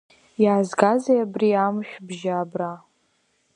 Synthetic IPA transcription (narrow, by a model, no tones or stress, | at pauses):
jaːzɡazajabriamʃᶣbʒaːbra